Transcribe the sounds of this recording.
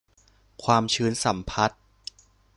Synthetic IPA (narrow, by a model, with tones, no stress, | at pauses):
kʰwaː˧mt͡ɕʰɯː˦˥nsa˨˩˦mpʰa˦˥t̪̚